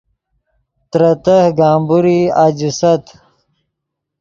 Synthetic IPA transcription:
t̪ɾɐt̪əhɡaːmbuɾiad͡ʑusɐt̪

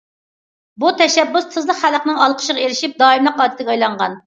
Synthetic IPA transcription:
but̪ʰɛʃɛbːʊst̪ʰːɨzlˠəqχæləqnɨŋɑlˠqʰə̥ʃəʁɑeɾɪʃip̚d̪ɑːimlˠəqɑːd̪ɪt̪ʰɪɡʲɛɑjlˠɑɴʁɑn

